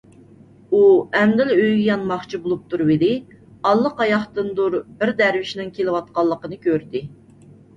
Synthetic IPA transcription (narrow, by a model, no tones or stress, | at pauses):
uɛmd̪ɪløjʲjɑnmɑχt͡ʃʰibolˠup̚t̪ʰuɾwelɪ | ɑlˠːəqɑjɑχt̪ɨnd̪uɾbɪɾd̪æɾwɪʃnɪŋkʲʰelɪwɑt̪̚qɑlˠːəqənɨkʲøɾd̪ɪ